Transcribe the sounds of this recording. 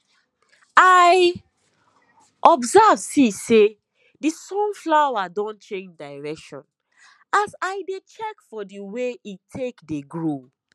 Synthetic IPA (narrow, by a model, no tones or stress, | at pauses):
aɪ | ʔɔbzavsise | disɔ̃nflawadɔ̃nt͡ʃẽnd͡ʒdaɪɹɛkʃɔ̰̃n | asaɪdet͡ʃɛkfɔdiweitʰekdeɡɹo